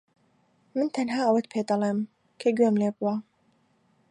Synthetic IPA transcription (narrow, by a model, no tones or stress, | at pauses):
mɨnt̪ʰɐnɦaːɐwɐt̪pʰeːd̪ɐlˠem | kʰɐɡɥemleːbuwa